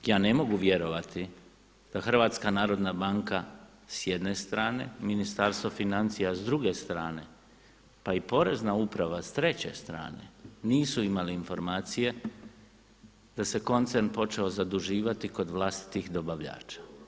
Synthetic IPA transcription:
jaːne̞mo̞ɡuʋje̞ɾo̞ʋat̪ʰi | d̪̥axr̩ʋaːt̪skanaːɾo̞d̪nabaŋka | sjed̪ne̞st̪ɾaːne̞minist̪aɾst̪ʋo̞finant̪sijazd̪ɾuɡe̞st̪ɾaːne̞ | paipo̞ɾe̞znaupɾaʋast̪ɾe̞t͡ɕe̞̰st̪ɾa̰ːne̞̰niːsuimaliːnfo̞ɾmaːt̪sije̞ | d̪̥ase̞ko̞nt̪se̞ɾnpo̞t͡ʃe̞o̞zad̪uʒiːʋat̪iko̞d̪ʋlˠast̪i̥t̪ixd̪o̞baʋʎa̰ːt͡ʃḁ

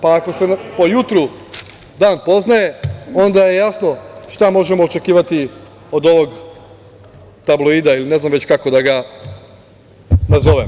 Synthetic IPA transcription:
paːko̞se̞po̞jut̪ɾu | d̪aːnpo̞znaje̞o̞nd̪aje̞jasno̞ʃt̪amo̞ʒemoːt͡ʃe̞kiːʋat̪i | o̞d̪o̞ʋo̞ɡ | t̪abloid̪ailine̞znamʋet͡ɕkako̞d̪aɡa | nazo̞ʋem

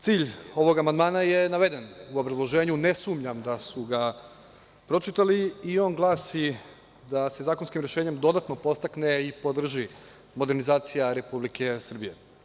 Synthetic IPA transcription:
t̪siːʎo̞ʋo̞ɡamand̪maːnaje̞naʋe̞d̪e̞nuo̞bɾazlˠo̞ʒe̞ːɲune̞sumʎamd̪asuɡa | pɾo̞t͡ʃit̪aliio̞ːnɡlˠaːsi | d̪ase̞zaːkonskimɾjeʃeːɲe̞md̪o̞d̪at̪no̞po̞st̪akneipo̞d̪r̩ʒi | mo̞d̪e̞ɾnizaːt̪sijaɾe̞publike̞sr̩bije̞

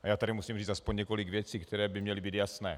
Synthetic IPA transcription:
ʔajaːt̪adimusiːmriːt͡st̪aspoɲɲɛkoliɡvjɛt͡siːkt̪ʰɛɾɛːbɪmɲɛlibiːd̪jasnɛː

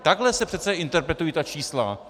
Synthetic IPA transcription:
t̪aɡlɛsɛpr̥ɛt̪t͡sɛʔɪnt̪ɛɾpɾɛt̪ujiːt̪at͡ʃiːsla̰

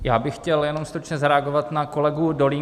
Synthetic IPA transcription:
jaːbɪxːcɛljɛno̞mst̪ɾut͡ʃɲɛzaɾɛaɡovat̪nako̞lɛɡudoliː

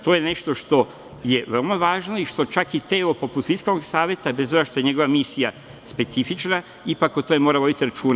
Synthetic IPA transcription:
t̪ojene̞ʃt̪o̞ʃt̪o̞ | je̞ʋelmaʋaːʒno̞iʃt̪o̞t͡ʃakit̪eːlopo̞put̪fiskalnoɡsaːʋje̞t̪abezt̪o̞ɡaʃt̪o̞je̞ɲe̞ɡo̞ʋamisija | spe̞t̪sifit͡ʃna | ipakot̪ojemoːɾaʋobit̪iɾat͡ʃuːn

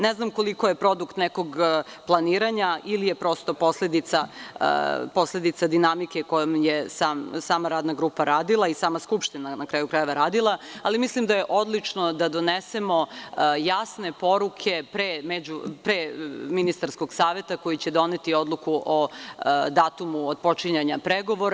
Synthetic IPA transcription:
neznamko̞liko̞je̞pɾo̞d̪ukt̪neko̞ɡplˠaniːɾaɲaʔilije̞pɾo̞st̪o̞po̞sled̪it̪sa̰ | po̞slʲe̞d̪it̪sad̪inamike̞ko̞jomjesaːmsaːmaɾaːd̪naɡɾuːpaɾaːd̪ilˠaisaːmaskupʃt̪inanakɾaːjukɾaje̞ʋaɾaːd̪ilˠaalimislimd̪aje̞ʔo̞d̪lˠit͡ʂno̞d̪ad̪o̞nese̞mo̞jasne̞po̞ɾukʰe̞pɾemed͡ʑupɾeminist̪aɾsko̞ɡ̥saːʋe̞t̪ako̞jut͡ɕe̞d̪o̞net̪io̞d̪lˠukuʔod̪aːt̪umuod̪̚po̞t͡ʃiɲaɲapɾeɡo̞ʋo̞ɾ

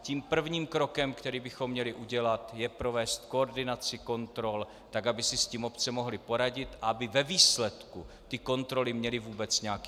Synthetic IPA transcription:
ciːmpr̩vɲiːmkɾo̞kɛmkt̪ɛɾiːbɪxo̞mːɲɛlɪʔuɟɛlat̪jɛpɾo̞vɛːst̪ko̞oɾdɪnat͡sɪko̞nt̪ɾo̞l | t̪aɡabɪsɪsciːmo̞pt͡sɛmo̞ɦlɪpo̞ɾaɟɪt̪aabɪvɛviːslɛt̪ku | t̪ɪko̞nt̪ɾo̞lɪmɲɛlɪvuːbɛt͡sɲɛakː

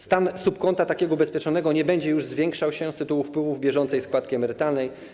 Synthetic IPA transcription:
st̪ansupkɔnt̪at̪akʲɛɡɔubɛspʲjɛt͡ʂɔnɛɡɔɲɛbɛɲd͡ʑɛjuʐzvʲjɛŋkʂawɕɛst̪ɘt̪uwufpwɘvuvbʲjɛʐɔnt̪sɛjskwat̪̚kʲiɛmɛɾɘt̪alnɛj

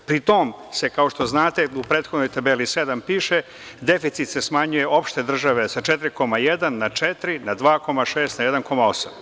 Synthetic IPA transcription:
pɾit̪omse̞kao̞ʃt̪o̞znaːt̪e̞upɾeːt̪xod̪nojt̪abelised̪ampiːʃe | d̪efit̪sit̪se̞smaɲuje̞ʔo̞pʃt̪e̞d̪r̩ʒaʋesat͡ʃɛt̪ɾiko̞majed̪anːat͡ʃet̪ɾinad̪ʋaːko̞maʃeːst̪najed̪anko̞mao̞sam

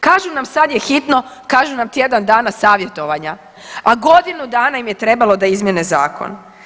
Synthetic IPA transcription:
kaːʒunamsad̪jexit̪no̞kaːʒunamt̪je̞d̪and̪aːnasaːʋje̞t̪o̞ʋaɲa | aɡo̞d̪inud̪aːnaimje̞t̪ɾe̞balˠo̞d̪aizmjeneza̰ːkʰo̰n

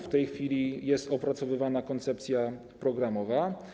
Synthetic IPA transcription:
ft̪ɛjxfʲilʲijɛst̪ɔpɾat̪sɔvɘvanakɔnt̪sɛp̚t̪sʲja | pɾɔɡɾamɔva

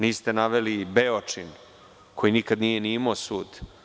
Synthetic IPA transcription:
niːst̪e̞naʋelibeot͡ʂin | kʰo̞jinikad̪nijeniimaosuːd̪

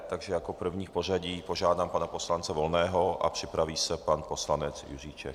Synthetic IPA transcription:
t̪aɡʒɛjakopr̩vɲiːxpor̝aɟiːpoʒaːd̪aːmpanaposlant͡sɛvolnɛːɦoʔa̰pr̥ɪpɾaviːsɛpanposlanɛt͡sjṵriːt͡ʃɛ̰

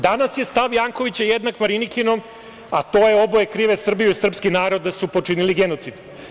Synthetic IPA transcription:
d̪anasje̞st̪aʋjaːŋko̞ʋit͡ɕajed̪nakmaɾinikino̞m | at̪o̞ːjeo̞bojekɾiːʋe̞sr̩bijuisr̩pskinaːɾo̞d̪ːasupo̞t͡ʂiniliɡe̞no̞t̪sid̪

